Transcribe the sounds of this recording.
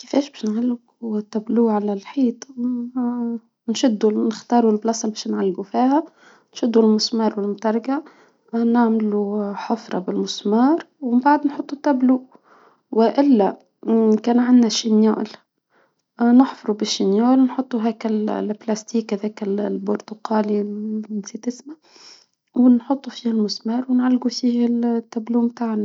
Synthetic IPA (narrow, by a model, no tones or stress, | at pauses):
kɪfɛːʃbɛːʃnʕalːɪɡ | ut̪ːæbluːʕalælħiːt̪ˤ | nʃʊd̪ːunɪxt̪ɑːɾˤulblɑsˤɑlbɛːʃnʕalːɪɡufiːhæ | nʃʊd̪ːulmʊsmɑːɾˤwɪlmʊt̪ɑɾˤɡa | naʕmluħʊfɾˤɑ̰bɪlmʊsmɑːɾˤwɪmbaʕd̪nħʊt̪ˤːut̪ːæbluːʔ | wɪʔɪlːa | kæːnʕanːaʃːɪnja̰ːʔl | nɪħfɑɾˤubɪʃːɪnjaːʔlnħʊt̪ˤːuɦaːkɪlblast̪iːkːaðæːkɪlbʊɾt̪ʊqɑːlinsit̪ɪsma | wɪnħʊt̪ˤːufiːhalmʊsmɑːɾˤwɪnʕalːɡufiːht̪ːabluːmt̪aːʕna